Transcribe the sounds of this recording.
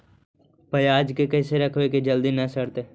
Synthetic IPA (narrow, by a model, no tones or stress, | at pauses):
pɐjaːd͡ʒkekɐɪseɾɐkʰʋeked͡ʒɐld̪inɐsɐɽt̪eː